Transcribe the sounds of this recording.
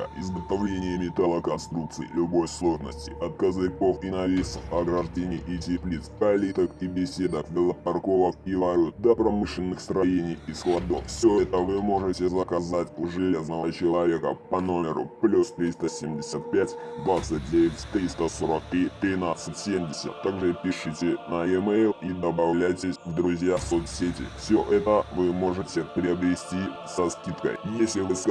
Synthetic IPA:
ə̰ɪ̰zɡət̪ɐvlʲenʲɪjəmʲɪt̪alˠəkɐnst̪ɾuk̚t̪sɨɪlʲʊbo̞jslˠo̞ʐnə̰sʲtʲɪʔɐt̪̚kɐzɨko̞finɐvʲisəfɐɡɾɐʐdʲenʲɪjʔitʲɪplʲit̪skɐlʲit̪əkibʲɪsʲe̞d̪əkvʲɪlˠəpɐrko̞vəkivɐɾʲut̪̚d̪ɐpɾɐmɨʂlʲɪnːɨxst̪ɾɐjenʲijisklˠɐd̪offsʲɵɛt̪əvɨmo̞ʐɨtʲɪzəkɐzatʲʐɨlʲe̞znəvət͡ɕɪlˠɐvʲe̞kə̰pɐno̞mʲɪɾʊ̰plʲust̪ɾʲist̪əsʲemʲdʲɪsʲət̪̚pʲætʲd̪vat̪sɨt̚ʲdʲevʲɪtʲt̪ɾʲist̪əsoɾək̚t̪ɾʲit̪ɾʲɪnat̪sɨtʲsʲemdʲɪsʲə̰t̪ːaɡʐɨpʲɪʂɨtʲɪnɐɪmejlˠid̪əbɐvlʲæjtʲɪsʲvd̪ɾʊzʲjaso̞t̪sʲetʲɪ̰fsʲoʔɛt̪əvɨmo̞ʐɨtʲɪpɾʲɪɐbɾʲɪsʲtʲisɐskʲit̪kə̰jjesʲlʲɪvɨsk

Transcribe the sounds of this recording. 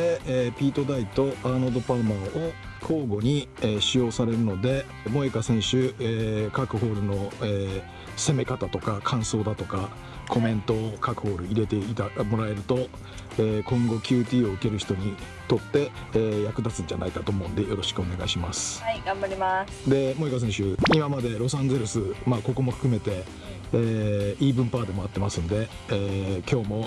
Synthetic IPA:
epʲiːt̪o̞d̪ait̪o̞ʔanod̪o̞pamaʔo | kʰo̞ːɡo̞ɲ̟iɕijo̞ːsaɾe̞ɾɯ̟no̞d̪e̞ | mo̞ːekasẽ̞ɰ̃ɕɨekakɯ̟ɦo̞ːɾɯ̟no̞eː | se̞me̞kat̪at̪o̞kakʰãɰ̃so̞ːd̪at̪o̞ka | kʰo̞mẽ̞nt̪o̞kakɯ̟̥ho̞ːɾɯ̟iɾe̞t̪e̞it̪amo̞ɾae̞ɾɯ̟t̪o̞ | eːkõ̞ŋɡo̞kʲjɯ̟ːt̪ʲiːo̞ɯ̟ke̞ɾɯ̟çi̥t̪o̞ɲ̟i | t̪o̞t̪ːe̞ː | jakɯ̟d̪at͡sɨ̃ɲ̟d͡ʑana̰ikat̪oːmo̞ɯ̟nd̪e̞jo̞ɾo̞ɕi̥kɯo̞ne̞ɡaiɕimasɨ̥aɡãmbaɾʲima | d̪e̞mo̞ikos̬ẽɰ̃ɕɨːimamad̪e̞ɾo̞sãnd͡ze̞ɾɯsɨmaːko̞ko̞mo̞ɸɯ̟̥kɯ̟me̞t̪e̞ː | iːbɯ̟̃mpaːd̪e̞mo̞at̪ːe̞masɨ̃nd̪e̞ː | kʲo̞ːmo̞

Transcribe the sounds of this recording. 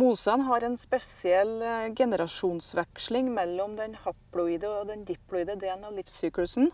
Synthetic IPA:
muːsənɦɑɾɛːnspɛsɪɛlɡɛnəɾɑʃuːnsʋɛkʂlɪŋmɛlːɔmd̪ɛnhɑpɽɔɪːd̪əɔd̪ɛnd̪ɪpːlʊiːd̪əd̪eːln̩ɑʋlɪfsyːklʉsn̩

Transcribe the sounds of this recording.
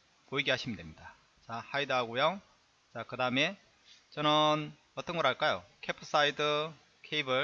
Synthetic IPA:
poiɡeɦaɕʰimɯndwemɲida | t͡ɕahaidɯɦaɡojo | t͡ɕakɯdaɯme̞ | t͡ɕʌnɯn | ʌt͈ʌnɡʌɾɦaɭk͈ajo̰kʰepʰɯ̥s͈aidɯ | kʰeibɯɭ

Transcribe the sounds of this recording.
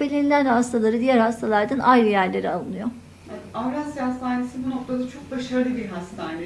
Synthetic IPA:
belʲinʲilʲænhast̪ʰalˠaɾɯd̪ijæɾhast̪ʰalˠaɾd̪anʔajlɯjæɾlʲe̞ɾialˠɯnɯjo | avɾashast̪ʰaːnesibuno̞k̚t̪ʰad̪at͡ʃʰo̞k̚baʃaɾɯlˠɯbiɾɦast̪ʰaːne

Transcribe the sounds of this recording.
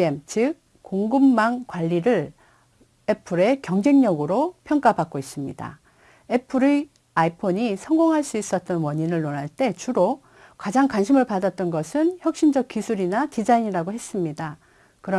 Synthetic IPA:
emt͡ɕɯk̚ | koŋɡɯmːaŋkwaʎːiɾɯɭ | e̞pʰɯɾe̞kjʌŋd͡ʑe̞ŋɲʌɡɯɾopʰjʌŋk͈apak̚k͈ois͈ɯmɲida̰ | e̞pʰɯɾe | aipʰoɲisʰʌŋɡoŋɦaɭs͈uis͈ʌt̚t͈ʌnwʌɲinɯɭnonɦaɭt͈e̞t͡ɕuɾo | kad͡ʑaŋkwanɕʰimɯɭpadat͈̚ʌnɡʌsʰɯnçjʌk̚ɕ͈ind͡ʑʌk̚k͈isʰuɾinatid͡ʑaiɲiɾaɡoɦe̞s͈ɯmɲida | kɯɾʌ

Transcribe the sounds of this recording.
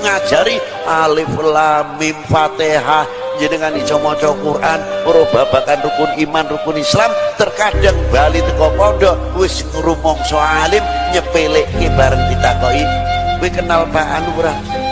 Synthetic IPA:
ŋad̥d͡ʒ̥a̤ɾi | ʔalɪflamɪmfat̪eɦah | ɲd͡ʒənekanit͡ʃɔmɔt͡ʃɔkurʔanpəɾob̥ab̥akanrukʊnimanrukʊnislamt̪ərkaɖ̥əŋbalit̪əkɔpɔɖɔ | wɪsŋɾumɔŋsɔalɪmɲəpɪlɪʔkeb̥aɾənkit̪akɔiniɡekənalpaʔa̰nuɾa

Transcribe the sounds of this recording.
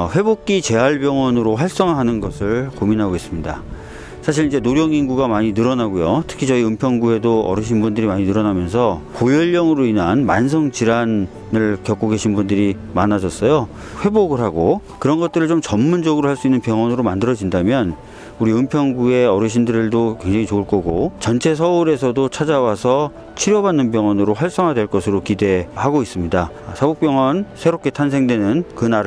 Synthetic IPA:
ɸwe̞bok̚k͈it͡ɕe̞ɦaɭbjʌŋwʌnɯɾoɸwaɭs͈ʌŋɯɭɦanɯnɡʌsʰɯɭkominɦaɡois͈ɯmɲida̰ | sʰaɕʰiɾind͡ʑe̞noɾjʌŋinɡuɡamaɲinɯɾʌnaɡojotʰɯ̥kʰit͡ɕʌiɯmpʰjʌŋɡuɦe̞doʌ̰ɾɯɕ̬ʰinbundɯɾimaɲinɯɾʌnamjʌns̬ʰʌkojʌʎːʌŋɯɾoinanmans̬ʰʌŋt͡ɕiɾanː | ɯɭkjʌk͈oɡe̞ɕʰinbundɯɾi | manad͡ʑʌs͈ʌjo | ɸwe̞boɡɯɭɦaɡokɯɾʌnɡʌt̚t͈ɯɾɯɭt͡ɕomt͡ɕʌmːund͡ʑʌɡɯɾoɦaɭs͈uinːɯnpjʌŋʌnɯɾomandɯɾʌd͡ʑindamjʌn | uɾiɯmpʰjʌŋɡue̞ʌɾjɯɕ̬ʰindɯɾɯɭdokwe̞ŋd͡ʑaŋit͡ɕouɭk͈ʌɡot͡ɕʌnt͡ɕʰe̞s̬ʰʌuɾe̞sʰʌdot͡ɕʰad͡ʑawasʰʌ | t͡ɕʰiɾjʌbanːɯnp̬jʌŋʌnɯɾoɸwaɭs͈ʌŋɦadwe̞ɭk͈ʌsʰɯɾokide̞haɡois͈ɯmɲida | sʰaɡok̚pjʌŋʌnsʰe̞ɾop̚k͈e̞tʰans̬ʰe̞ŋdwe̞nɯnkɯnaɾ

